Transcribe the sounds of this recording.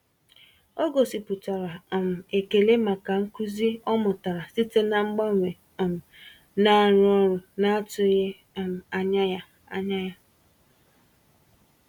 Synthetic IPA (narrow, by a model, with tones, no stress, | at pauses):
o˦ɡo˨si˨pʊ˨ta˨ɾa˨m̩˨e˨ke˨le˦ma˨ka˨ŋ̩˦ku˦zi˦ɔ˦mʊ˨ta˨ɾa˨si˦te˦na˨ŋ͡m̩˦ɡ͡ba˦ŋʷe˨ | m̩˨ | na˦˨ɾʊ˦ɔ˦ɾʊ˨na˦a˦tʊ˦ɣe˦˨ | m̩˨a˨ɲa˦ja˦ | a̰˦ɲa˦ja˦